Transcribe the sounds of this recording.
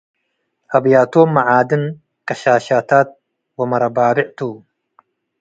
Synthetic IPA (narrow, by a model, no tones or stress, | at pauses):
ɐbjaːt̪oːmːɐʕaːd̪ɨn | kɐɕaːɕaːt̪aːt̪̚ | wɐmɐɾɐbaːbɪʕt̪u